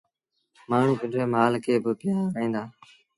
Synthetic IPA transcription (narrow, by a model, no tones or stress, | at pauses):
maːɳ̤ũːɡʊnd͡ʒʋeːmaːlkʰeːbəpɪjaːɾĩːnd̪aː